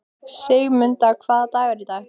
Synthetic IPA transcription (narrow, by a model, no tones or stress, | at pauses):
seɣmʏnt̪akʰvaːðat̪ajvaɾit̪aj